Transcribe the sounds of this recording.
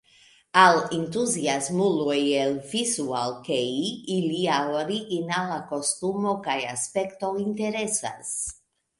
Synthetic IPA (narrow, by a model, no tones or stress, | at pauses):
alent̪uziazmulueelvizualkejiliaoɾiɣinalakost̪umokajaspekt̪oint̪eɾesa̰s